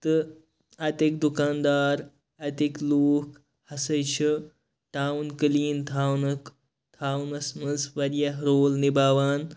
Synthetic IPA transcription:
t̪ɨ | ɐt̪ek̚d̪ukaːnd̪aːɾ | ɐt̪ekloːk | hɐsɐjt͡ʃʰi | ʈaːwnkɨliːnt̪ʰaːwnɐk | t̪ʰaːunɐsmɐnzʋɐɾjɐɦɾoːlnibaːʋaːn

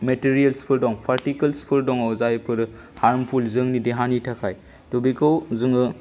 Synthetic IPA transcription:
metiɾijelspʰɯɾdɔŋpʰaɾtikɐlspʰɯɾdɔŋawzajpʰɯɾɯ | haɾmpʰulzɯŋnideɦanitʰakʰaj | tobikowzɯŋɯ

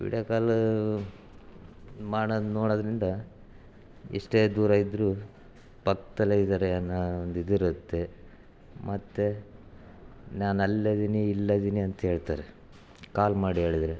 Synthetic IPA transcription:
ʋḭɽjɐːkaːl | maːɽɐnoːɽɐd̪ɾind̪ɐ | ḭʂʈeːd̪uːɾaːjid̪ɾu | pɐkt̪ɐlɐid̪aɾenand̪id̪iɾɐt̪ːe | mɐt̪ːe | naːnɐlːɐd̪iniːlːɐd̪iːniɐnt̪ɐɦe̞ːɭt̪aːɾe | kaːlmaːɽiɦe̞ːɭid̪ɐɾe

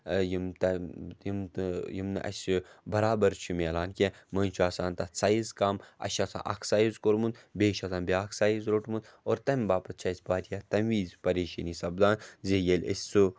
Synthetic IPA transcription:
jimt̪ɐjimjimnɨʔɐ̰sibɐɾaːbɐɾt͡ʃʰumilaːnkʲemɐnʲt͡ʃʰuaːsaːnt̪ɐt͡saːjizkaːmɐ̰ʃat͡s̪ʰã̰ʔɐ̰kʰsaːjizkoɾmund̪beːʃat̪ʰaːnbeaːkʰsaːjizɾoʈmund̪oːɾt̪ɐmʲbaːpɐt̪̚t͡ʃʰɐsʲbaːɾijat̪ɐmʋiːzʲpɐɾeːʃɐniːsɐbd̪aːnzʲejelʲḛsʲsu

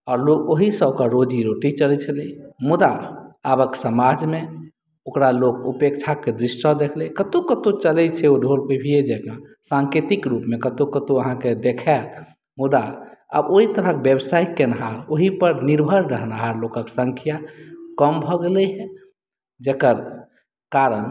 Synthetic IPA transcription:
ɔːɾlokoɦisə̃okaɾod͡ʒiɾoʈit͡ʃəlɛt͡ʃʰəlɛmud̪aːbəksəmad͡ʒme | okɾalokupek̚t͡ʃʰaked̪ɾisːəd̪ekʰlekət̪okət̪õt͡ʃəlɛt͡ʃʰɛoɖʱolpəbʱied͡ʒekã | sãŋket̪ikɾupmekət̪okət̪oəɦãked̪ekʰɛl | mud̪aə̰boit̪əɾəkebebsaikenəɦaɾoɦipəɾniɾbʱəɾɾəɦənaɦaɾlokəksə̃ŋkʰijakəmbʱɔɡelɛɦɛ̃ | d͡ʒekəɾ | kaɾən

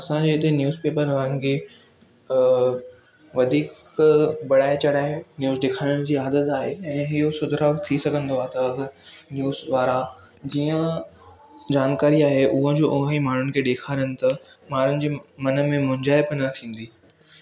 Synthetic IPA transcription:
ɐsãd͡ʑeːɪt̪enjuːzpeːpəɾʋaːɾən̆kʰeː | ʋɐd̪ʱiːk | bɐɽaːet͡ɕɐɽaːenjuːzɗɪkʰaːɽʊɽ̃ɪd͡ʑiːaːd̪ət̪aːɦeɛ̃ːɦɪɦosʊd̪ʱɾat̪ʰisɐɡʱə̃nd̪oaːɦet̪ɐɐɡnjuːzʋaːɾa | d͡ʑiːə̃ | d͡ʑaːnkaːɾiaːɦeʔʊɦə̃d͡ʑoːʔʊɦəimaːɳ̤ʊnɪ̆kʰeːɗeːkʰaːɾənɪ̆t̪ɐ | maːn̤ʊnɪ̆d͡ʑeːmɐnə̆mẽmʊ̃ɲd͡ʑaːɪpnɐt̪ʰĩːn̆d̪iː

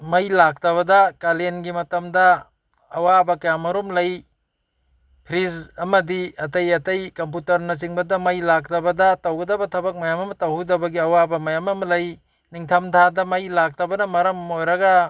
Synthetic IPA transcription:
mɐjlak̚tɐβɐdɐkalenɡimɐtɐmdɐː | wabɐkɐjamɐɾumlɐj | pʰɾisɐmɐdiɐtɐjɐtɐjkɐmp̬utɐɾnɐs̬iŋbɐdɐmɐjlak̚tɐbɐdɐtɐwɡɐdɐbɐtʰɐbɐk̚mɐjamɐmɐtɐwdɐbɐɡiɐwabɐmɐjamɐmɐlɐj | niŋtʰamtʰadɐmɐjlak̚tɐbɐnɐmɐɾɐmojɾɐɡɐ

